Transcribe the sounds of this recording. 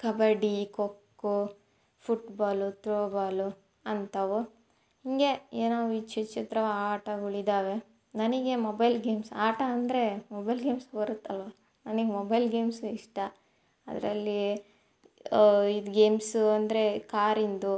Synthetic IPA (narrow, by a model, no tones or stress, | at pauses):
kɐbɐɖikokːu | pʰuʈbaːlut̪ɾoːbaːlu | ɐnt̪ɐʋu | hiŋɡe̞eːnaːʋuit͡ʃit͡ʃit̪ɾɐʋaːʈɐuɭid̪aːʋe̞ | nɐniɡe̞mobɐjlɡeːmsaːʈɐɐnd̪ɾe̞mobɐjlɡeːmsbɐɾut̪ːɐlʋɐ | nɐniɡemɔbɐjlɡeːmsuiʂʈɐ | ɐ̰d̪ɐ̰ɾɐlːi | id̪ɡe̞ːmsuɐnd̪ɐɾe̞kaːɾind̪u